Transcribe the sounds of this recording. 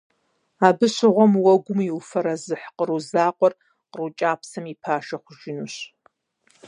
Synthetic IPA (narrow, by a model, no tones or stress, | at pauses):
aːbɨɕɪʁʷɔmwɐɡʷʊmiwfɐɾɐzɨħqəruzaːqʷʼɔr | qərut͡ʃʼaːpsɐmipʰaːʃɐχʷʊʒɪnuɕ